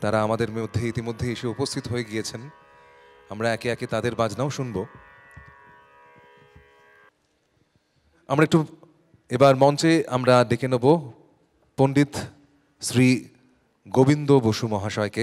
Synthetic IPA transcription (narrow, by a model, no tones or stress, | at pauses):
t̪aɾaamad̪eɾmod̪ʱːeit̪imod̪ʱːeeʃeupost̪ʰit̪oɦojeɡijet͡ɕʰen | amɾaɛkeɛket̪ad̪eɾbad͡ʑnaoʃunbo | a̰mɾaek̚ʈu | ebaɾmɔnt͡ɕea̰mɾad̪ekenobo | ponɖit̪ | sɾi | ɡobind̪oboʃumɔɦaʃɔeke